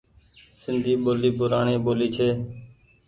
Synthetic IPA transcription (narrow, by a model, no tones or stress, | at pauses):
sɪnd̪ʱiːɓoːliːbʊɾaːɳiːɓoːliːt͡ʃʰeː